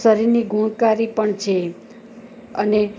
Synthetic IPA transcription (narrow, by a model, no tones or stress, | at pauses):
səɾiɾniɡʱuɽ̃kaɾipəɳt͡ʃʰe | əne